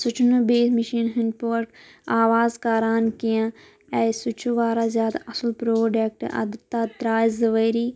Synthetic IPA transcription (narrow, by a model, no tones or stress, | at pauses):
sʊt͡ʃʰnubeːsmɪʃiːnɦɪnpoɾk | aːʋaːzkaːɾaːnkijãː | ɛsʊt͡ʃʰuʋaːɾaːzjaːd̪aʔɐsəlpɾoːɖeːk̚ʈɐ̰d̪t̪ːaːt̪ɾaːjzɐʋəɾiː